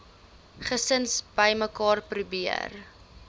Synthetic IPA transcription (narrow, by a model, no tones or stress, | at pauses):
χəsənsbəjməkɑːrprubiə̰r